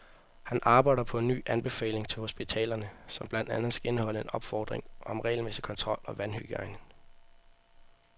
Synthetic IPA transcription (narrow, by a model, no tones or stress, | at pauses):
hænʔɑ̈ːb̥ɑ̈ɪdɐpʰɒ̽e̝nːy̰ːʔænb̥e̝fɛ̰ːle̝ŋt͡sʰe̝lho̝sb̥it͡sʰɛ̰ːlɐnəsɒ̽mb̥lænd̥ænð̩ˠsɡ̥æe̝nəhɒ̽ləe̝nɒ̽b̥fɒːd̥ʁeŋʔɒ̽mʁɛ̰ːɪlmesikʰɒ̽nt͡sʰʁɒ̽l̰ɒ̽ʋænhyɡ̥əɑ̈ɪnəŋ